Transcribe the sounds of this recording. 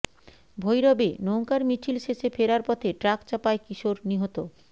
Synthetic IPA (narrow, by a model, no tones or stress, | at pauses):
bʱojɾɔbenowŋkaɾmit͡ɕʰilʃeʃefeɾaɾpɔt̪ʰeʈɾakt͡ɕapaekiʃoɾniɦot̪o